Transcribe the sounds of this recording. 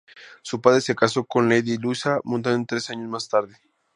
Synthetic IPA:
supað̞ɾese̞kaso̞ko̞nleðilusamũnt̪̬annt̪ɾe̞saɲozmast̪aɾðe

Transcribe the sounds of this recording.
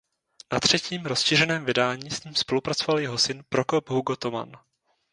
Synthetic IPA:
nat̪r̝̥ɛciːmɾosʃir̝ɛnɛːmvɪdaːɲiːsɲiːmspo̞lupɾat͡sovaljɛɦo̞sɪnpɾoko̞pɦuɡot̪oma̰n

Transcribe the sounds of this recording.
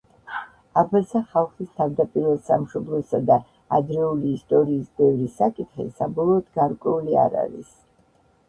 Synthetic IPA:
abazaχalˠχist̪ʰavd̪apʼiɾɛsamʃɔblˠɔsad̪aː | d̪ɾɛuliːst̪ʼɔɾiːsbɛvɾisakʼit̪χḭsabɔlˠɔːd̪ɡaɾkʼwɛulia̰ɾa̰ɾḭs

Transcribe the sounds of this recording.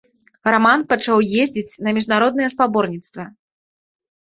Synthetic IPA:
ramanpɐt͡ʂawjezʲd͡zʲit͡sʲnɐmʲiʐnaɾɔd̪nɨjɛspabɔrnʲit̪st̪vɐ

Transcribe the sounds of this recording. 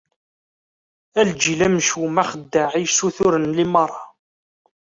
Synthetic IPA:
æld͡ʒilæmʃumæχəd̪ːaʕijsːuθʊɾənlimɑrˤːɑ

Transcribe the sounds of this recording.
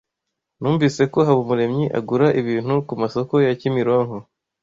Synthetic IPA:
nuːɱviːse̞ko̞ɦaβumuɾe̞mɲiʔa̰ɡuɾaʔiβiːn̥hukumaso̞ko̞jacimiɾwaŋho

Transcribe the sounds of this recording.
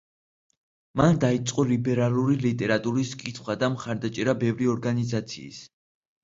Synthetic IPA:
mand̪ait̪sʼqʼɔlibɛɾalˠuɾilit̪ʼɛɾat̪ʼuɾiskʼit̪ʰχwad̪amχaɾd̪at͡ʃʼɛɾabɛvɾiɔɾɡanizat̪sʰḭːs

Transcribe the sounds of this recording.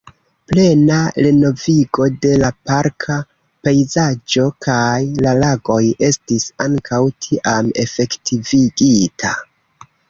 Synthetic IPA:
ple̞naleno̞viɡo̞de̞lapaɾkʰa | pejzad͡ʒo̞kʰajlalaɡo̞je̞stisaŋkʰawtʰiʔame̞̰fe̞ktiviɡitʰa

